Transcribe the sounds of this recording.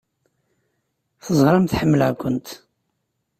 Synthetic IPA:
θəzˤʁɾˤɑmθħəmːələʕkʷʊnt̪

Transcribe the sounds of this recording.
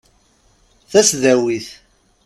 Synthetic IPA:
θæsðæwiθ

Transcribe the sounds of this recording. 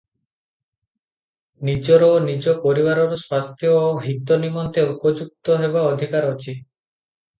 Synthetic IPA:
nid͡ʒɔɾɔnid͡ʒɔpɔɾiβaɾɔɾoswast̪ʰjɔːɦit̪ɔnimɔnt̪eupɔd͡ʒuk̚t̪ɔɦebaɔd̪ʱikaɾɔt͡ʃʰi

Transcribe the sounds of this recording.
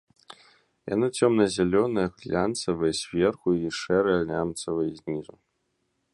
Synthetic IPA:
ja̰nɨt͡sʲʰomnɐzʲelʲonɨjɐxlʲant͡sɐvɨjsʲvʲerxuiʂɛɾɨjɐlʲnʲamt͡s̪ɐvɨjzʲnʲizu

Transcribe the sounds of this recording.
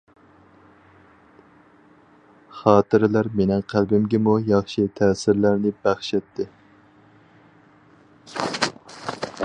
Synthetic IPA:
χɑːt̪ɨɾɪlæɾmenɪŋqʰælbɪmɡʲɛmujɑχʃit̪ʰɛːsɪɾlæɾnɪbæχʃɛt̪ːɪ

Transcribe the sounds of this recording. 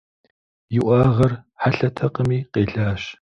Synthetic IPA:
jɪʔʷɑːʁɐrħaɬɐtʰɐqəmiːqeːɮaːɕ

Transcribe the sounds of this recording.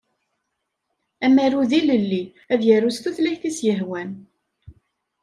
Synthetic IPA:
æmæɾuðiləlːi | æðjəɾust̪uθlæçθisjəɦwæn

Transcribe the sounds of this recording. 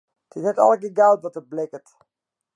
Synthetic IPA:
tʰɪtɛtɑ̰lˠkiɡawtʋɔtəblɪkət

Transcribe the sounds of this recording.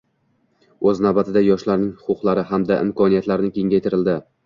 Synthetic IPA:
ɵznawbat̪ʰɪd̪ajɒʃlaɾnɪŋhʊqʊqlˠaɾɪɦamd̪aʔɪ̰mkʰɒnijat̪laɾnɪkʲe̞ŋɡʲajt̪ʰɪɾɪld̪ɪ

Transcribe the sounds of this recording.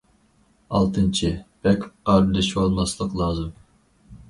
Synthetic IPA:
ɑlˠt̪ʰɨnt͡ʃʰib̥ɛkʲqɑɾɨlɪʃolˠmɑslˠəqlˠɑːzɨm

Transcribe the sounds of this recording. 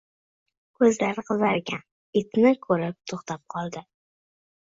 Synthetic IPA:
kʰɵzlaɾqʰɨzaɾɡʲan | ɪt̪nɪkʰɵɾɪp̚t̪ʰoχt̪ʰap̚qʰɒlˠd̪ɪ

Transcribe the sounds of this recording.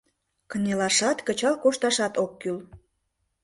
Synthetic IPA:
kənʲelɑʃɑt̪kət͡ɕɑlkoʃt̪ɑʃɑt̪okːyl

